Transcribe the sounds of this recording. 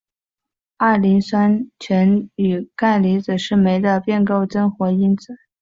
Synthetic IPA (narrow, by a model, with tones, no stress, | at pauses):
a˥˩li˧˥nswa˥nt͡ɕʰɥɛ˧˥ny˨˩ka˥˩ɪli˧˥t͡sɹ̩˨˩ʂɻ̩˥˩me˧˥ɪd̪ə˧pjɛ˥˧nko˥˩ʊʈ͡ʂə˥nxwɔ˧˥i˥nt͡sɹ̩˨˩˦